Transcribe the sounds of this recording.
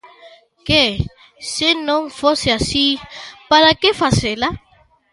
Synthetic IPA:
ke | senõŋfoseasipaɾakefasela

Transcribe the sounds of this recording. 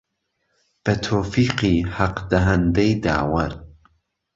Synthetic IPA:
b̥ɐt̪ʰoːfiːqihaqd̪ɐɦɐnd̪ejd̪a̰ːwɐɾ

